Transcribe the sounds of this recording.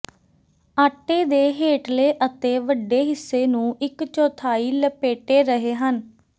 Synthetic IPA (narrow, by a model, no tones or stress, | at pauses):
aːʈːeːd̪eːɦeːʈleːʔət̪eːʋəɖeːɦɪsːeːnũːɪkt͡ʃɔːt̪ʰaːiːləpeːʈeːɾəɦeːɦən